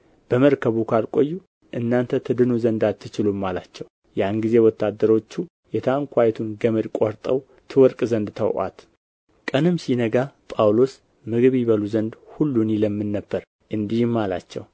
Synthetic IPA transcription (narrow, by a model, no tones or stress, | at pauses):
b̥əməɾkʰəβukʰalkʼo̞jːu | ʔɨnːant̪ʰət̪ʰɨd̪ɨnuzənd̪at̪ʰːɨt͡ʃɪlumːalat͡ʃːɛw | janɡizewɔt̪ʰːad̪ːəɾo̞t͡ʃːu | jɛt̪ʰaŋkʷʰajɛt̪ʰunɡəməɾkʷʼoɾt̪ʼəw | t̪ʰɨwɔɾkʼzənd̪t̪ʰə̰wʔa̰t̪ | kʼənɨmsinəɡapʼawlo̞s | mɨɡɨβiβəluzənd̪hulːuniləmːɨnːəbːəɾ | ʔɨnd̪ihɨmːala̰t͡ʃːɛ̰w